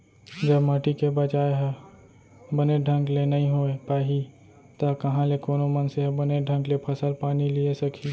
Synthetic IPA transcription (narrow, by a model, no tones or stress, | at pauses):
d͡ʒəbmaʈikebət͡ʃaːeɦ | bɐneɖʱə̃ŋɡlenɐɦĩɦoːepaːɦi | t̪akɐɦãlekoːnomənseɦbɐneɖʱə̃ŋɡlepʰɐsəlpaːniliesɐkʰi